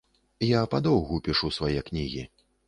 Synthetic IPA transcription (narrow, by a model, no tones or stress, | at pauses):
japad̪ɔwɣupʲiʂusvajɛknʲiɣʲḭ